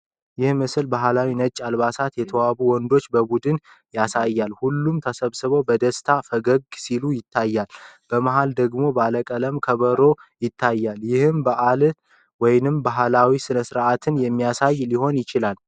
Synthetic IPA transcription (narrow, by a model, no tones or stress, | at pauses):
jɪhmɨsɨlbaɦlawinət͡ʃʼːalβasat̪jɛt̪ʰəwaβuwɔnd̪o̞t͡ʃːbəbud̪ɨn | jasajːalhulːumt̪ʰəsəβsɨβəwbəd̪əst̪ʰafəɡəɡsilujɪt̪ʰːajːalb̥əmaɦald̪əɡmo̞baləkʼələmkʰəβəɾo̞jɪt̪ʰːajːaljɪhɨmbaʔal | wɔjnɨmbaɦlawisɨnəsɨɾʔat̪ʰɨnjɛmːijasajliho̞njɪt͡ʃɪlal